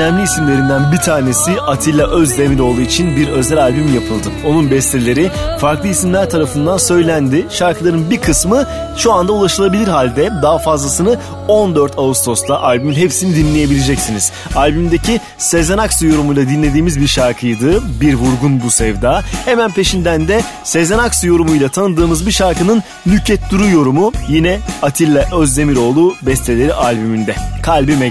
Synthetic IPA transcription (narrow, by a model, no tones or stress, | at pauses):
ønæmlʲiːsimlʲe̞ɾind̪ænbit̪ʰaːne̞siʔat̪ʰilʲːaʔøzd̪ʲemilo̞lˠuit͡ʃʰinbiɾø̞zɛlʲalʲbymjapʰɯlˠd̪ɯo̞nunbɛst̪ʰelʲe̞ɾifaɾklˠɯisimlʲæɾt̪ʰaɾafɯnd̪ansø̞jlʲænd̪iʃaɾkɯlˠaɾɯnbiɾkʰɯsmɯ | ʃuand̪aulˠaʃɯlˠabilʲiɾɦalʲd̪ɛd̪aɦfazlˠasɯnɯ | o̞nd̪øɾt̪ʰaust̪ʰo̞slˠaʔalʲbyminɦe̞psinid̪inlʲeje̞bilʲed͡ʒɛcsiniz̥ | alʲbymd̪ecʰi | se̞zenaksɯjo̞ɾumujlˠad̪inlʲe̞d̪iːmizbiɾʃaɾkʰɯjd̪ɯbiɾvuɾɡunbusɛvd̪aːhe̞mænpʰe̞ʃind̪ænd̪ɛ | se̞zenaksɯjo̞ɾumujlˠat̪ʰanɯd̪ɯːmɯzbiʃaɾkɯnɯn | lʲycʰːɛt̪d̪uɾujo̞ɾumujinɛat̪ʰilʲːɛʔøzd̪e̞miɾo̞ːlˠuːbɛst̪ʰe̞lʲe̞ɾiʔalʲbymynd̪ɛkʰalʲbimɛ